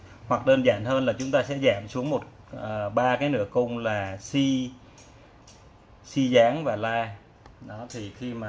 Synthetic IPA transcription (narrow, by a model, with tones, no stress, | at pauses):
hwa˨˩k̚ɗəː˧nza̰ː˧˩nhəː˧nlaː˨˩t͡ɕʊ˨˦ŋ͡mt̪aː˧sɛ̰˧˥zaː˧˩msu˨˦əŋmo˨˩t̚ | əː˨˩ɓaː˧kaː˨˦jnɨ̰˧˥əkʊ˧ŋ͡mlaː˨˩si˧ | si˧zaː˨˦ŋvaː˨˩laː˧ | ɗɔ˨˦t̪ʰi˨˩xi˧maː˨˩